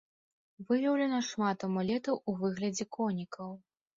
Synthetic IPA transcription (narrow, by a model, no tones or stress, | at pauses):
vɨvʲɛwlʲɛnɐʂmat̪ɐmɔlʲɛt̪ɐwuvɨɣlʲɐd͡zʲɛkɔnʲikʰɐw